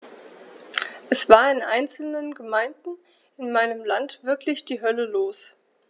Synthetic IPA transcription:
ʔɛsv̥aːɐɪnʔa̰ɪnt͡sl̩nənɡəmaɪndn̩ | ɪnmaɪnəmlantv̥ɪɐklɪçd̥iːɦœləloːs

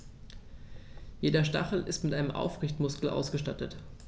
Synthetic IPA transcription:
jeːdɐʃta̰χl̩ɪstmɪtʔaɪnəmʔa̰ʊfʁɪçtmʊskl̩ʔa̰ʊsɡ̥əʃtatət

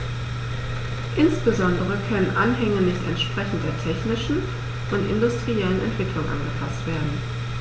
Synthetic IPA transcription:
ʔɪnsb̥əzɔndəʁ̞əkʰœnənʔanɦɛŋənɪçtɛ̰ntʃpʁ̥ɛçn̩t̚d̥eːɐtʰɛçnɪʃn̩ | ʔʊntʔɪndʊstʁ̥iɛlənɛ̰ntv̥ɪklʊŋʔa̰nɡəfʰastv̥eːɐdn̩

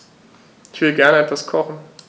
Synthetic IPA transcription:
ɪçv̥ɪləɡɛɐnəɛtv̥askʰɔχn̩

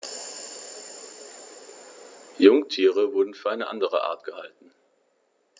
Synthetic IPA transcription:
jʊŋtʰiːʁ̞əvʊɐdn̩fyːɐʔaɪnəʔa̰ndəʁə̰ʔa̰ːɐtɡ̥əha̰ltn̩

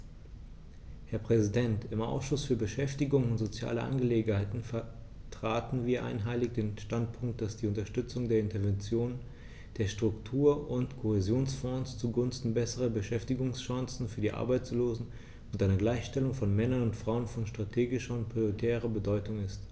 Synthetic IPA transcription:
hɛɐpʁ̥ɛzidɛntɪmʔa̰ʊsʃʊsfyːɐbəʃɛftɪɡʊŋʊntz̥ot͡sja̰ːləʔa̰nɡəleːɡŋ̩haɪtn̩fɛɐ | tʁ̥aːtn̩viːɐʔa̰ɪnɦaɪlɪçd̥eːnʃtant̚pʰʊŋkt̚d̥asd̥iːʊntɐʃtʏt͡sʊŋdeːɐɪntɐvɛnt͡sjoːn | d̥eːɐʃtʁ̥ʊktʰuːɐʔʊntkʰohɛzjoːnsfɔ̃ːst͡suɡʊnstn̩bɛsəʁɐbəʃɛftɪɡʊŋsʃãŋsn̩fyːɐdiːʔa̰ɐbaɪt͡sloːzn̩ | ʊntʔaɪnəɡlaɪçʃtɛlʊŋfɔnmɛnɐnʊntfʁ̥aʊənfɔnʃtʁ̥atʰeːɡɪʃɐʊnt̚pʁ̥ioitʰɛːʁɐbədɔʏtʊŋɪst

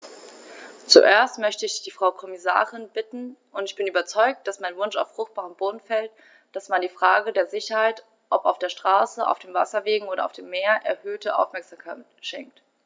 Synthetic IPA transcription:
t͡sṵʔeːɐstmœçtəɪçd̥iːfʁ̥aʊkʰɔmɪsa̰ːʁɪnbɪtn̩ʔʊntɪçb̥ɪnyːbɐt͡sɔʏk̚t̚d̥asmaɪnvʊnʃa̰ʊfʁ̥ʊxt̚b̥aːʁəmboːdn̩fɛlt | d̥asmandiːfʁ̥aːɡədeːɐzɪçɐhaɪt | ʔɔpaʊfd̥eːɐʃtʁ̥aːsəʔa̰ʊfd̥eːmvasɐveːɡŋ̩oːɾɐaʊfd̥eːmːeːɐʔɛɐhøːtʰəʔa̰ʊfmɛɐkz̥amkʰaɪtʃɛŋk̚t

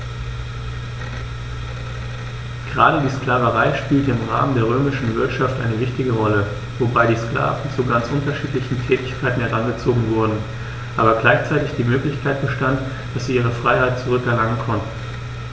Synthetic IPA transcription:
ɡ̥əʁa̰ːɾədiːskl̥aːvəʁaɪʃpiːltəɪmʁa̰ːməndeːɐʁøːmɪʃn̩vɪɐtʃaftʔa̰ɪnəvɪçtɪɡəʁɔlə | vobaɪdiːskla̰ːvn̩t͡suɡant͡sʔʊntɐʃiːtlɪçn̩tʰɛːtɪçkʰaɪtn̩hɛʁanɡət͡soːɡŋ̩vʊɐdn̩ | ʔaːbɐɡlaɪçt͡saɪtɪçd̥iːmøːklɪçkʰaɪt̚b̥əʃtant | d̥asz̥iːʔiːʁ̞əfʁ̥aɪhaɪt̚t͡suʁʏkɛɐlaŋənkʰɔntn̩

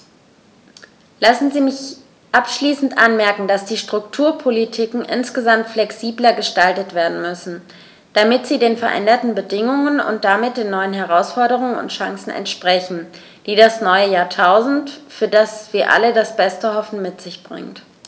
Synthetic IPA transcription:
lasn̩ziːmɪç | ʔapʃliːsn̩tʔanmɛɐkŋ̩d̥asd̥iːʃtʁ̥ʊktʰuːɐpʰolitʰiːkŋ̩ʔɪnsɡ̥əzamtflɛksiːblɐɡəʃtaltətv̥eːɐdn̩mʏsn̩ | d̥amɪtz̥iːdeːnfɛɐʔɛ̰ndɐtn̩bədɪŋʊŋənʊ̰nt̚d̥amɪt̚d̥eːnːɔʏənɦɛʁ̞aʊsfɔɐɾəʁ̞ʊŋənʊ̰ntʃaŋsn̩ʔɛ̰ntʃpʁ̥ɛçn̩ | d̥iːdasnɔʏəjaːɐtʰaʊzn̩tfyːɐdasv̥iːɐʔa̰lədasb̥ɛstəhɔfn̩mɪtz̥ɪçb̥ʁɪ̰ŋt

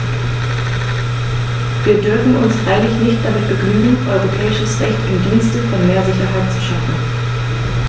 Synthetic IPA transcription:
viːɐdʏɐfn̩ʊnsfʁ̥aɪlɪçnɪçt̚d̥amɪt̚b̥əɡnyːɡŋ̩ʔɔʏʁopʰɛːɪʃəsʁɛçtɪndiːnstəfɔnmeːɐzɪçɐɦaɪtt͡su̥ʃafn̩

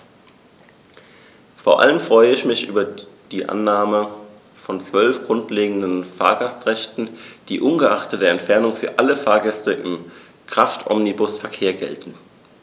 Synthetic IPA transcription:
foːɐʔa̰ləmfʁ̥ɔʏəɪçmɪçʔyːbɐd̥iːʔa̰nːaːmə | fɔnt͡sv̥œlfɡ̥ʁʊntleːɡŋ̩dənfa̰ːɐɡastʁɛçtn̩d̥iːʔʊnɡəʔaχtədeːɐɛntfɛɐnʊŋfyːɐʔaləfaːɐɡɛstəʔɪ̰m | kʁ̥aftʰɔ̰mnibʊsfɛɐkʰeːɐɡɛ̰ltn̩

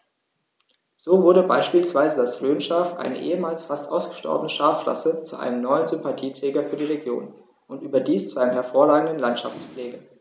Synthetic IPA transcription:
z̥oːvʊɐdəbaɪʃpiːlsv̥aɪzədasʁ̥øːnʃaːfʔa̰ɪnə̰ʔḛːəmaːlsfastʔaʊsɡ̥ə̥ʃtɔ̰ɐbənəʃaːfʁa̰sət͡suʔa̰ɪnəmnɔʏənzʏmpatʰiːtʁ̥ɛːɡɐfyːɐdiːʁeɡjo̰ːn | ʔʊntʔyːbɐdiːst͡suʔaɪnəmɦɛɐfoːɐʁaːɡŋ̩dənlantʃa̰ft͡spleːɡə

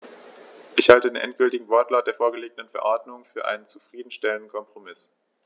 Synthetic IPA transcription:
ʔɪçhaltədeːnʔɛ̰ntɡ̥ʏltɪɡŋ̩vɔɐtlaːt̚d̥eːɐfoːɐɡəleːɡən̩dənfɛɐʔɔɐtmʊŋfyːɐʔa̰ɪnənt͡su̥fʁ̥iːdn̩ʃtɛləndn̩kʰɔmpʁ̥omɪs

